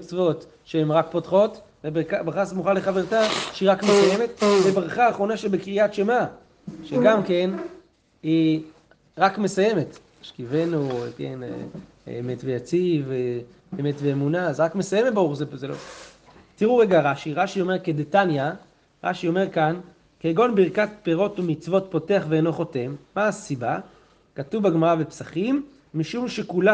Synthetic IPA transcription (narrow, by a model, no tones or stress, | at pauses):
t͡svo̞t | ʃeemʁak̚potχo̞t | vebkabʁaχasmuχaleχaveʁtaʃeiʁakmesaje̞metbebʁaχaːχʁo̞naʃelbekʁiatʃema | ʃeɡamke̞n | i | ʁakme̞saje̞met | aʃkive̞nuekḛnḛ | ḛmetvejat͡sive | emetveːmunazʁakme̞sajemetbaʁuχzezelo̰ | tiʁuʁeɡaʁaʃiʁaʃio̞meʁkedetanja | ʁa̰ʃio̞me̞ʁkan | keːɡo̞nbiʁkat̚peʁo̞tumit͡svo̞tpo̞te̞aχveːno̞χo̞temːaːsiba | katuvbaɡmaʁavepsaχimː | iʃumʃekula